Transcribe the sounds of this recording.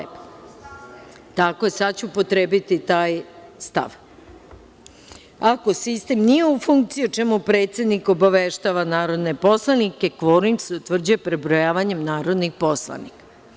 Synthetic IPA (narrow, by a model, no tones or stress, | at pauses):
t̪ako̞jesad̪t͡ɕuupo̞t̪ɾebit̪it̪aːjst̪a̰ʋ | ako̞sist̪e̞mnije̞ufuŋkt̪siot͡ʃemupɾe̞ːt̪se̞d̪niko̞baʋeʃt̪aʋanaːɾo̞d̪nepo̞slˠanike̞kʋoɾnitseut̪ʋr̩d͡ʑuje̞pɾebɾojaːʋaɲe̞mnaːɾo̞d̪nixpo̞slˠa̰nikḁ